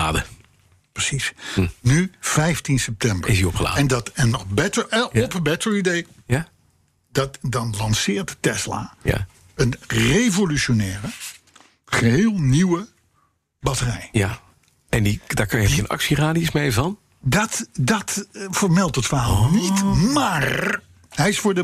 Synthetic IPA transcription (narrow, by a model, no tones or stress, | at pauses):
aːdə | prəsisnyv̥ɛjftinsɛp̚tɛmbəɹɪsiɔpχəla̰ːɛndɑtɛnːɔχbɛtəɹɛɔpənbɛtəɹidej | ja | dɑtdɑnlɑnsɪːɹttɛsla̰ja̰ | ənrevolyʃonɛːrə | χəɦeːlˠniwə | bɑtərɛ̰jja | ɛndidaːɹkɑnjəɛənɑ̰ksiraːdiɪsmevəɑn | dɑtdɑtfəɹmɛlˠtɦətfəɹɦalˠnitmaːr | ɦɛjɪsfʊːɹdə